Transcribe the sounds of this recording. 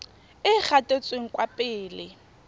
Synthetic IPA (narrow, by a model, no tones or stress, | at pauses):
ɪk͡xʰatʼet͡sʼweŋ̩kʼwapʼɪːlɪ